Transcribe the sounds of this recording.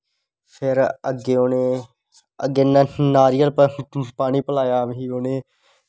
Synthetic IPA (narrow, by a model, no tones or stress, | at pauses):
pʰɪɾəɡeːoneː | ə̰ɡeːnnaːɾijəlpaːñiːpəlaːjaːmɦiːoneː